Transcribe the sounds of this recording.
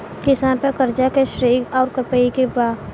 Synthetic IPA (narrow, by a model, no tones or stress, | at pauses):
kɪsaːnpekəɾd͡ʒakeʃɾiːɡɔːɾkəpeikebaː